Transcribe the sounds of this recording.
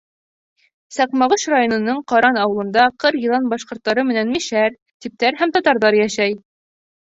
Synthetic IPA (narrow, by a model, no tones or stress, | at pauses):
sɑqmɑʁɤʃrajonɤ̆nɤɴqɑɾɑnɑwɤ̆lˠɤ̆nd̪ɑqɤɾjɤ̆lˠɑnbɑʃqŏɾt̪ːɑɾɤmɘ̆nænmiʃæɾ | t̪ip̚t̪æɾɦæmt̪ɒt̪ɑɾðɑɾjæʃæj